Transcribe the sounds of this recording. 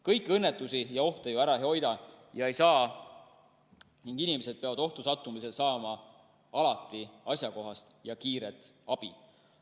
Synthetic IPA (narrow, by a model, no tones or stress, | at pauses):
kɤjkːˑɤnːet̪ːˑusijɑo̞ht̪ejoæɾɑheo̞jd̪ɑjɑe̞jsɑː | niŋɡ̥inimese̞d̪̚pe̞ɑvɑd̪o̞ht̪usɑt̪ːˑumise̞lsɑːmɑ | ɑlɑt̪ˑːiɑsjɑko̞ɦɑst̪jɑkiːɾet̪ɑb̥ḭ